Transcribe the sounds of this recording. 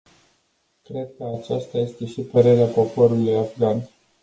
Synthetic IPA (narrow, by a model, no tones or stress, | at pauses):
kɾe̞d̪̚kəat͡ʃast̪aje̞st̪e̞ʃipəɾe̞ɾeapo̞po̞ɾulujafɡan